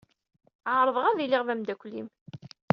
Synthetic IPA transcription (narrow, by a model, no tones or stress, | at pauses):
ʕaɾˤəðˤʁæðilɪʁvæmd̪ækʷlim